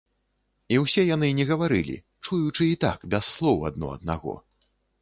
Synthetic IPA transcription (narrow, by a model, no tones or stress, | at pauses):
iwsʲɛjanɨnʲɛɣɐvaɾɨ̰lʲḭ | t͡ʂujut͡ʂɨːt̪a̰kbʲɛsːlˠɔwɐ̰d̪nɔ̰ɐ̰d̪̚na̰ɣɔ̰